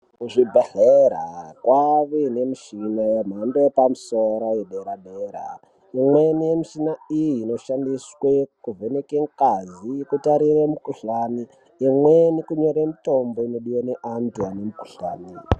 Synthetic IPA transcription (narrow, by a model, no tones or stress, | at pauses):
kuʐibʱaɮeɾakwaʋinemiʃinajem̤andoepamusoɾajeɗeɾaɗeɾa̰ | imwe̞nijemiʃinaijiːno̞ʃandiswekuvenekeŋkazikutaɾiremukuɬaniː | mwenikuɲo̞ɾemito̞mboino̞ɗiwaneʔantuanemuku̥ɬaːni